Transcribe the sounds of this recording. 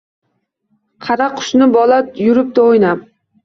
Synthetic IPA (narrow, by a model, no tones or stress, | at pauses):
qʰɑɾaqʰʊ̥ʃnɪbɒlˠat̪jʊɾɪp̚t̪aojnam